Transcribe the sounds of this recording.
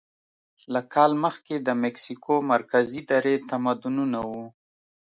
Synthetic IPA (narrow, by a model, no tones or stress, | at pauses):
lakʰɑlməxked̪əmɪksikʰomaɾkazid̪aɾet̪amad̪ununawu